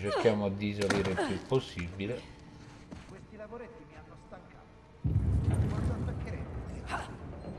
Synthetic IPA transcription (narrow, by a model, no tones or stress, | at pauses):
t͡ʃeɾkjaːmoad̪ːis̬oliːɾelpjupːosːibːile